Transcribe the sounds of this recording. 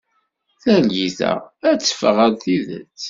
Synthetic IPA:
θælʝiθə̰ʁæt͡sːə̥fəʁəðθiðə̰t͡sː

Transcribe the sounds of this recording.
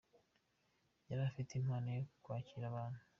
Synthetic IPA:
jaɾafiteimhaːnajokwaːciɾaβaːn̥hu

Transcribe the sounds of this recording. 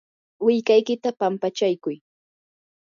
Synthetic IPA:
wɪʎkajkɪt̪apampat͡ʃajkʊj

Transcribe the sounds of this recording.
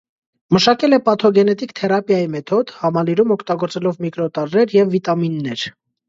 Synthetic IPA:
məʃɑkɛlɛpɑt̪ʰɔɡɛnɛt̪ikt̪ʰɛɾɑpjɑjimɛt̪ʰɔd̪hɑmɑliɾumɔkʰt̪ɑɡɔɾt͡sɛlɔvmikɾɔt̪ɑɾːɛɾjɛvːit̪ɑminːɛɾ

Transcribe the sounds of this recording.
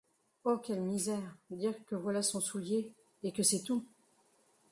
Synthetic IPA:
okʲɛlmizɛʁd̪iʁkəvwalasɔ̃suljeː | kəsɛt̪u

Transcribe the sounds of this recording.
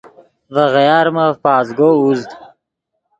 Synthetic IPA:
vəɣajɑːɾməpɑːzɡouzd̪

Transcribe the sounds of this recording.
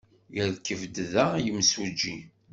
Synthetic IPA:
jəðkːəvd̪ðæjəmsud͡ʒːi

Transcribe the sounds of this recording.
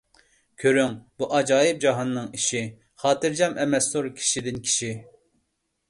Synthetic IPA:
kʲʰøɾyŋb̥uʔɑd͡ʒɑːjɨp̚d͡ʒɑɦɑnːɨŋiʃi | χɑːt̪ɨɾd͡ʒɑmɛmɛsoɾkʲʰi̥ʃid̪ɪnkʲʰi̥ʃi

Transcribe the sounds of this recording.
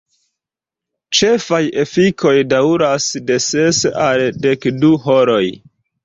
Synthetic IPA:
t͡ʃe̞faje̞fikʰo̞jdawɾasde̞sesalde̞kduɦoɾo̞j

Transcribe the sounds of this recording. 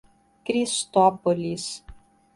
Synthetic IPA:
kɾʲist̪ɔpolʲis

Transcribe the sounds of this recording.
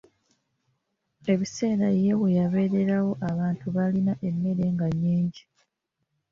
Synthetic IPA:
e̞βise̞ːɾajewejaβe̞ːɾe̞ɾawo̞ʔaβaːntuβalinaʔe̞mːe̞ɾe̞ŋɡaɲːiːɲɟi

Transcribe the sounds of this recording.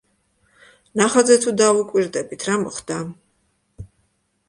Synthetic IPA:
naχad̪zɛt̪ʰud̪aukʼwiɾd̪ɛbit̪ʰɾamɔχd̪a

